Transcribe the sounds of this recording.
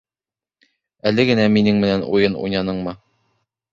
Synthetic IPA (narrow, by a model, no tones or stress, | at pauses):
ælɘɡɘ̆næminɘŋmɘ̆nænṵjɤnṵjnɑnɤɴmɤ